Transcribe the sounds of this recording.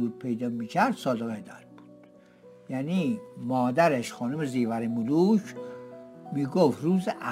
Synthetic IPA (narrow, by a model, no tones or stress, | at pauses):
uːɾ̚pʰejd̪ɒːmiːcʰæɾd̪̥sɒːd̪eɣed̪æɾb̥u̥d̪̥ | jæniːmɒːd̪æɾeʃxɒːnumeziːvæɾimuluʃʰ | miːɡoft̪ɾuːzeʔæ